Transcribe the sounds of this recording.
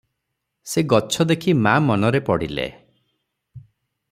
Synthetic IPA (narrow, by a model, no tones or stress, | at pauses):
seɡɔt͡ʃʰɔd̪ekʰimamɔnɔɾepɔɽḭlḛ